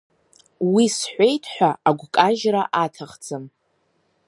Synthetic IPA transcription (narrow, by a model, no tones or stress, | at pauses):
wisħʷejtʰħʷᶣaʔaɡʷkʼaʒraʔatʰaχd͡zʰʼɨm